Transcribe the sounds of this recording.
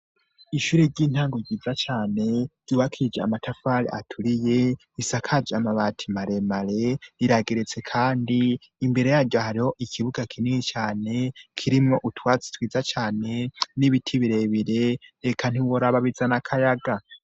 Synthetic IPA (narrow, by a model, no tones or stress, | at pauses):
iʃuːɾeɾɟiːn̥haːŋɡoɟiːzat͡ʃaːne̞ɟ̥uːβakʰiid͡ʒea̰matʰafaːɾḭʔatʰuɾije̞ | isakʰad͡ʒamaβatʰimaɾe̞maɾe̞ɾiɾaɡeɾet͡se̞kʰaːndiː | mbe̞ɾe̞jaɾɟohaɾiho̞ʔikʰiβuɡakʰiniŋit͡ʃaːne̞kʰiɾimŋo̞ʔutwaːt͡si̥twiːzat͡ʃaːne̞niβitʰiβiɾe̞βiɾe̞ɾekʰan̥iwoɾaβaβizanakʰajaɡa